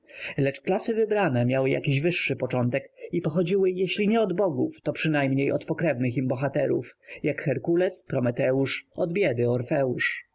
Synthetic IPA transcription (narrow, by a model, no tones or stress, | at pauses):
lɛt͡ʂklasɘvɘbɾanɛmʲjawɘja̰kʲiʑvɘʂːɘpɔt͡ʂɔnt̪ɛkipɔxɔd͡ʑiwɘjɛɕlʲiɲɛɔd̪bɔɡuft̪ɔpʂɘnajmɲejɔ̰t̪pɔkɾɛvnɘximbɔxat̪ɛɾṵfjakxɛɾkulɛspɾɔmɛt̪ɛuʂɔd̪bʲjɛd̪ɘɔɾfɛuʂ